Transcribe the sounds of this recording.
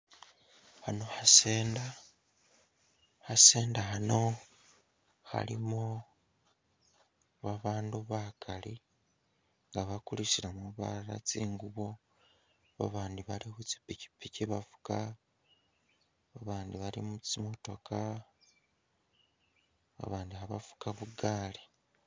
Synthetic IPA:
hano̞hase̞ːnda | hase̞ːndahano̞ | ha̰limo | βaβaːnduβakʰali | ŋɡaβakuliʃiɾamuβa̰ɾa̰t͡siːŋɡuβo̞ | βa̰βaːndiβaliβut͡ʃi̥pːici̥pːiciβafu̥ka | βaβaːndiβalḭmut͡simo̞to̞ka | βa̰βaːndihaβa̰fu̥kaβuɡaːli

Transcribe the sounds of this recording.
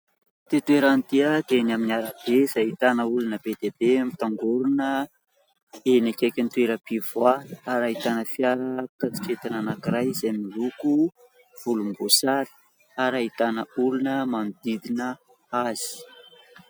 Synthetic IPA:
t̪et̪ueɾant̪iad̪enaminaɾab̥ezait̪anəulunəb̥ed̪ebemit̪aŋɡoɾunə | enakʲakʲant̪weɾəpivwaaɾait̪anəfjaɾəkat͡si̥ʈ͡ʂet̪ananakirajzajmiluku | v̥ulumbosaɾi̥ | aɾait̪anəulunəmanud̪id̪inə | az̥i̥

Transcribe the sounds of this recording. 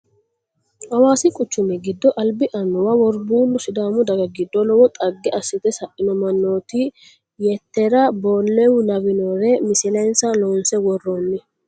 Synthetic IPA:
hɐwaːsɪkʼʊt͡ʃːʊmɛɡɪd̪ːɔʔɐlbɪʔɐnːɔwɐwɔɾbuːlːʊsɪd̪aːmʊd̪ɐɡɐɡɪd̪ːɔlɔwɔt̪ʼɐɡːɛʔɐsːɪt̪ɛsɐʔɪnɔmɐnːoːt̪i | jɛt̪ːɛɾɐboːlːɛwʊnɐwɪnoːɾɛmɪsɪlɐjnsɐloːnsɛwɔrːoːnːɪ

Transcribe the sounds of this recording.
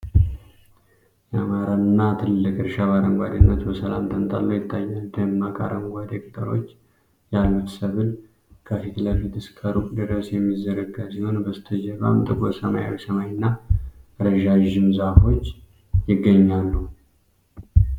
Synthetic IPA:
jɛamaɾanːat̪ʰɨlːɨkʼɨɾʃaβaɾəŋɡʷa̰d̪enːət̪bəsəla̰mt̪ʰənt̪ʰʼa̰lːujɪt̪ʰːajːald̪əmːakʼa̰ɾəŋɡʷad̪ekʼt̪ʼəɾo̞̰t͡ʃː | jalːut̪səβɨl | kʰəfit̪ʰləfit̪ʰɨskʰəɾukʼd̪ɨɾəsjɛmːizːəɾəɡasiho̞nbəst̪ʰəd͡ʒəβa̰mt̪ʼɨkʼosəma̰ja̰wisəmajnːaɾəʒaʒɪmzafo̞t͡ʃː | jɪɡːəɲːalːu

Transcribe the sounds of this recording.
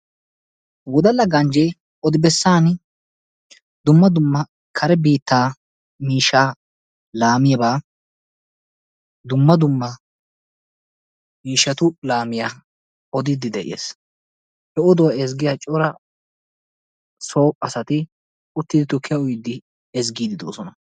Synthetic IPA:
wɔd̪ɐlːɐɡɐnd͡ʒɛj | ɔd̪ɪbɛsːaːn | d̪ʊmːɐd̪ʊmːɐ | kʰɐɾɛbiːt̪ːaː | miːʃːaː | laːmɪjɐbaː | d̪ʊmːɐd̪ʊmːɐ | miːʃːɐt̪ʊlaːmɪjaː | ʔɔd̪ɪd̪ɪd̪ɛʔɪ̰jḛːs | hɛɔd̪ɔwɐɛzɡɪjaːt͡ʃʼɔɾɐ | soːpʼːɐsɐt̪ɪ | ʊt̪ːɪd̪ɪt̪ʊkʰːɪjɐʊjd̪ːɪ | ɛzɡiːd̪ɪd̪o̞̰ːsɔnɐ

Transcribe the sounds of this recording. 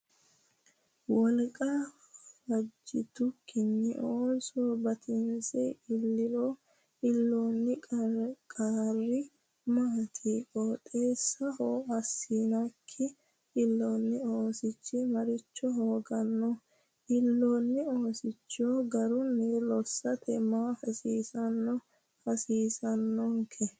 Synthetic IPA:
wɔlkʼɐ | wɐd͡ʒːɪt̪ʊkɪnːɪ̰ʔoːsoːbɐt̪ʰɪnsɛɪlːɪlo | ɪlːoːnːɪ | kʼaːrːɪ | maːt̪ʰiːkʼoːt̪ʼeːsːɐhoːɐsːiːnɐkʰːɪ | ʔɪlːoːnːɪoːsɪt͡ʃːɪmɐɾɪt͡ʃːɔɦoːɡɐnːɔ | ʔɪlːoːnːɪoːsɪt͡ʃːoːɡɐɾʊnːɛlɔsːɐt̪ʰɛmaːfɐsiːsɐnːɔ | fɐsiːsɐnːɔŋkʰɛ

